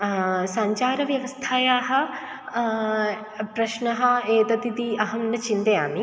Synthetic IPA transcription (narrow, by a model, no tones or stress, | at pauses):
sɐɲt͡ʃaːɾɐʋjɐʋɐst̪ʰaːjaːɦɐ̆ | pɾɐʃnɐɦɐ̆eːt̪ɐt̪it̪iɐɦɐmnɐt͡ʃint̪ɐjaːmi